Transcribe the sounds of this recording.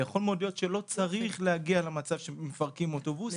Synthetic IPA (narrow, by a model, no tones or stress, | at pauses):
jaχo̞lmeo̞d̪jotʃelo̞t͡saʁiχlehaɡialamat͡sav̥ʃemefaʁkimo̞tobus